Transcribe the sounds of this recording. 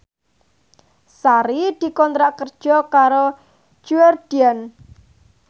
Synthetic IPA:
saɾid̪̥i̤kɔnt̪ɾaʔkərd̥ʒ̥ɔ̤kaɾo̥ | d͡ʒ̥uard̪̥ian

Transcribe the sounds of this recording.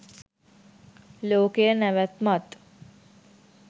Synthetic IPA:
loːkejənæʋæt̪mat̪

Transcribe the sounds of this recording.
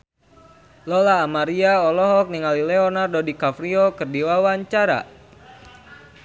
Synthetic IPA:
lɔlaːmaɾiaɔlɔɦɔk̚niŋalilɛɔnardodikafɾiɔkərdiwawaɲt͡ʃaɾa̰

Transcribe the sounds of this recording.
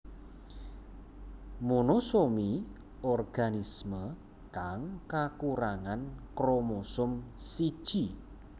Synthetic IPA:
monosomi | ɔrɡ̥anismə | kaŋkakuɾaŋankɾomosʊmsid̥ʒ̥i

